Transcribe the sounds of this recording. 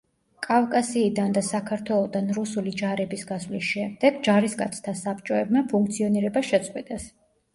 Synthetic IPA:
kʼavkʼasiːd̪and̪asakʰaɾt̪ʰwɛlˠɔd̪anɾusulid͡ʒaɾɛbisɡasvlisʃɛmd̪ɛɡd͡ʒaɾiskʼa̰t̪sʰt̪ʰasap̚ʼt͡ʃʼɔɛbmapʰuŋkʰt̪sʰiɔniɾɛbaʃɛt̪sʼqʼwɛt̪ʼɛs

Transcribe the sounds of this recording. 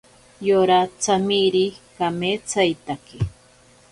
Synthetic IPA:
joɾat͡samiɾikameːt͡sajt̪ake

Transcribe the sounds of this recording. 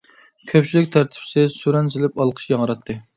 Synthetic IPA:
kʲʰøpt͡ʃʰilɪkʲt̪ʰæɾt̪ʰɪ̥psɪsuɾɛnzɪlɪpɑlˠqʰə̥ʃjɑŋəɾɑt̪ʰːɨ

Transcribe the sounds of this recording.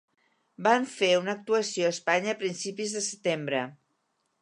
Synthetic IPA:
baɱfeunək̚t̪uəsijoəspaɲəːpɾinsipizðəsət̪embɾə

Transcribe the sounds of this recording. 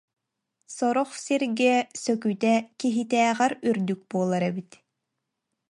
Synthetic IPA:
sɔɾɔχsiɾɡisœkyt̪ɛkiɦit̪æːʁæɾyɾd̪yk̚buɔlˠaɾɛbit̪

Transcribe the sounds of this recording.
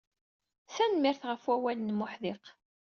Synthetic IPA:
sænmɪɾθʁəfwæwælnmʊħðɪq

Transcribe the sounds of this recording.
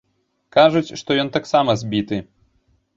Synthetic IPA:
kaʐut͡sʲʂt̪ɔjɔnt̪aksamɐzʲbʲit̪ɨ

